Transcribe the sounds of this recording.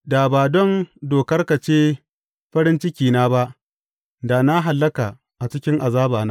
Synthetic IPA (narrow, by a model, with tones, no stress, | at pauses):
da˨baː˨dɔ˦ndoː˨kɐ˦rka˨t͡ʃeː˦ | ɸɐ˦ɾɪ˦nt͡ʃɪ˦kʲiː˨naː˦ba˦ʔ | da˨na˦ɦa˨lːɐ˦kaː˨ | ʔa˨t͡ʃɪ˦kʲɪ˦ŋʔa˨zaː˦baː˨naː˦